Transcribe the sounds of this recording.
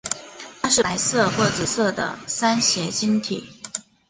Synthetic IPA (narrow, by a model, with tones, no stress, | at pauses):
tʰa˥ʂɻ̩˥˩a˧˥ɪsɤ˥˧xwɔ˥˩t͡sɹ̩˨˩sɤ˥˩d̪ə̰˩sa˥nɕjɛ˧˥t͡ɕi˥nt̪ʰḭ˨˩˦